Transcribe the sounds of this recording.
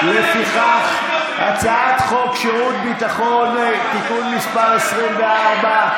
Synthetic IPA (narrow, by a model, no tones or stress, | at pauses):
lefiχaχ | at͡saat̪χo̞kʃeʁut̪̚bit̪aχo̞nt̪ikunmiʃpaʁesʁimveaʁba